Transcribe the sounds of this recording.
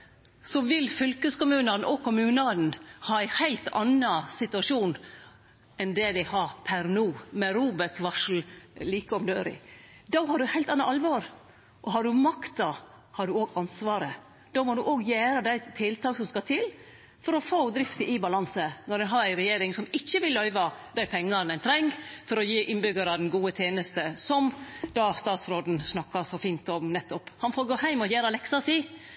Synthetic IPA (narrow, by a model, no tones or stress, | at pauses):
sɔʋɪlfʏlkəskʊmʉːnɑnʔɔkʰʊmʉːnɑn̩hɑːæɪhæɪlt̪ɑ̰nɑsɪt̪ʉɑʂuːn | ɛnd̪ɛd̪æɪhɑːpʰæɾnuːmɛɾuːbɛkʋɑʂl̩liːkəɔmd̪øːɾɪ̰d̪ɑːɦɑɖʉhæɪlt̪ɑnːɑʔɑlʋɑːɾ | ʔɔɦɑɖʉmɑkt̪ɑ | hɑɖʉoːɡɑnsʋɑːɾə | d̪̥oːmɔd̪ʉʔoːɡjæːɾəd̪æɪt̪ʰɪlt̪ʰɑːksɔmskɑt̪ʰɪl | fɔɾɔfoːd̪ɾɪft̪əʔɪbɑlɑnsənɔɾɛnɦɑɾæɪɾɛjeːɾɪŋsɔmɪçːəʋɪlːœʏʋɑd̪æɪpʰɛŋːɑɾnænt̪ʰɾɛŋːfɔɾɔjiːʔɪnbʏɡəɾɑd̪ɛnɡuːət̪ʰeːnəst̪əsɔmd̪ɑst̪ɑːt̪sɾoːd̪n̩snɑkːɑsɔfiːnt̪ɔmnɛt̪ːɔpːhɑnfoːɾɡoːhæɪmɔjæːɾɑlɛksɑsiː